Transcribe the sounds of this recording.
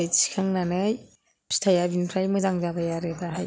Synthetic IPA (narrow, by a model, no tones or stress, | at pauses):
ajsi̥kʰaŋnanɯj | pstʰajabinpʰɾajmɯzaŋzabajaɾɯdaɦaj